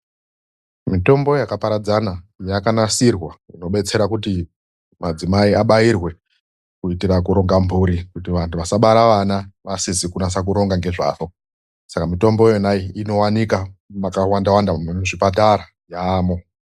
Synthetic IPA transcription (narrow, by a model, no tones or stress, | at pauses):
mito̞mbo̞jakapaɾad͡zanajakanasirwaino̞ɓe̞t͡se̞ɾakuti | mad͡zimaiaɓairwe̞ | kuitirakuɾo̞ŋɡambʱuɾikutiʋantʰuʋasaɓaɾaʋanaʋasizikunas̬ak̬uɾo̞ŋɡaŋɡe̞ʐa̰ːʋo̞ | sakamito̞mbojonajiino̞wanikamakawandawandamuʐipataɾa | jaːmo̞